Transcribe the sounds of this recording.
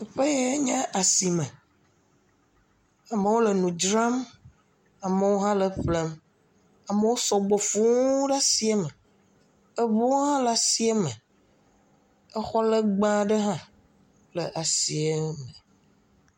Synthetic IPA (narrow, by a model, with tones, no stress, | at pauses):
ɛ˨ɸe˦je˦ɲã˦ʔa˨si˨mẽ˨ | a˨me˨wo˦le˨nũ˨d͡ʒɾa˦m | a˨mə˨wo˦ɦã˦lə˨ɸle˦m | a˨mə˦wo˦sɔ˨ɡ͡bo˨fu˦ŋ˦ɖa˦si˨˦e˦me˨ | e˦βo˦o˦ɦã˦la˨si˨˦e˦me˨ | ɛ˦xɔ˦lə˦ɡ͡bã˦ɖə˦ɦã˦ | lə˨ʔa˨si˨e˦me˨